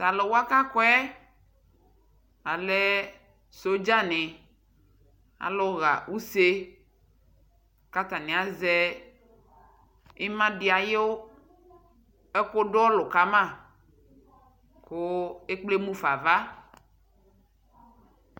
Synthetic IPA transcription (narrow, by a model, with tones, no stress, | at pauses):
ta˨lɔ˨wo˦a˦ka˦kɔ˦ɛ˦ | a˨lɛ˦ | so˦d͡ʒa˦nɛ̃˨ | a̰˨lɔ˦ɣa̰˨u˦se˦ | ka˦t̪a˨nɛ̃˨a˨zɛ˦ | i˦mã˦ɖi˨a˨je˦wo˦ | e˦ko˦ɖɔ˦lɔ˨ka˦mã˦˨ | ko˦e˦k͡ple˦mũ˦fa˨va˦